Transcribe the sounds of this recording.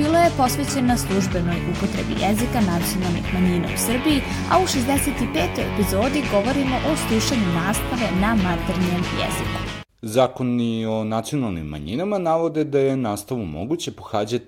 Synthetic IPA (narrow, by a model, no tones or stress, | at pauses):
biːlˠoje̞po̞sʋet͡ɕe̞naslˠuʒbe̞no̞jupo̞t̪ɾḛbḭjezikanat̪sio̞nalˠnḭxmaɲiːna̰ṵsr̩biji | a̰uʃezd̪ese̞t̪ipeːt̪o̞jḛpizo̞ːd̪iɡo̞ʋo̞ɾimo̞ʔoslˠuʃaɲunaːst̪aʋe̞namat̪eɾniemjḛzḭka̰ | zaːkonionat̪sijo̞nalˠnḭmːa̰ɲḭnamanaʋo̞d̪ed̪aje̞naːst̪aʋumo̰ɡut͡ɕepoxaːd͡ʑat̪